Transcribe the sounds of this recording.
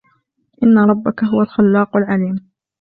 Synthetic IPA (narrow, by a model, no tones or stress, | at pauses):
ʔɪnːaɾˤɑbːakaɦʊwalxalːɑːqalʕaliːm